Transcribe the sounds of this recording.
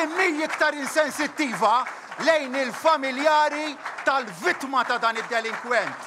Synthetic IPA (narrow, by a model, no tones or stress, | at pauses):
mijɪkt̪ɐɾɪnsɛnsɪt̪ːiːvɐ | lɛjnɪlfɐmɪljɐːɾit̪ɐlvɪt̪mɐt̪ɐd̪ɐːnɪd̪ːɛlɪŋkwɛnt̪